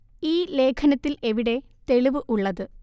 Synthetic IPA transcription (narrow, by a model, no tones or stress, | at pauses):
iːle̞ːkʰɐnɐt̪ːileʋiɽe̞ | t̪e̞ɭiʋɨʔuɭːɐðɨ